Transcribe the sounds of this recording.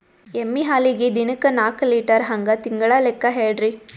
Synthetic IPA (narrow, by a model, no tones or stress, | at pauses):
emːiɦaːliɡed̪inɐkɐnaːkliːʈɐɾɦɐŋɡɐt̪iŋɡɐɭɐlekːɐɦeːɖɾi